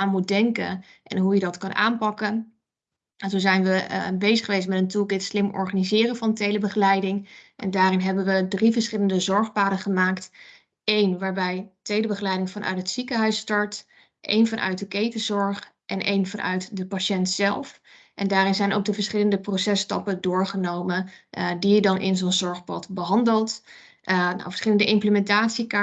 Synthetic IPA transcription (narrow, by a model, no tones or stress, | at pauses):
aːnmut̚dɛŋkə̰nʔɛ̰nɦujədɑtkɑnʔa̰ːmpɑkən | nzozɛjnʋəbejzəχəʋejs̬mɛtəntukɪtslɪmɔ̰ɹχanizɪːrəvɑntejləbəχəlɛjdɪŋʔɛ̰ndaːrɪnɦɛbənʋədrivəɹsχɪləndəzɔɹχpaːdənχəmaːkt | ejnʋaːɹbɛjtejləbəχəlɛjdɪŋvɑnʔœ̰ɥtɦətsikəɦœɥstɑɹt | ʔḛjnvɑnʔœ̰ɥt̚dəkejtəzɔɹχʔɛnʔejnvɑnʔœ̰ɥtdəpaʃɛntsɛlˠf | ʔɛndaːɾɪnzɛjno̰wk̚dəvəɹsχɪləndəprosɛstɑ̰pədʊːɹχənowməndidɑnʔɪ̰nzonzɔɹχpɑ̰tbəɦɑndəlˠt | n̰və̥ɹsχɪləndəʔɪmpləmɛntaːtsika